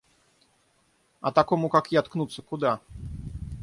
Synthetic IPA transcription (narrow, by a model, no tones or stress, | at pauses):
a̰t̪akɔmukakjat̪knut̪sɘkud̪a